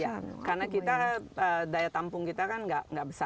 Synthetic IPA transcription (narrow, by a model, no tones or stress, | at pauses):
jakarnakit̪aədajat̪ampʊŋkit̪akanŋɡaʔŋɡaʔbəsa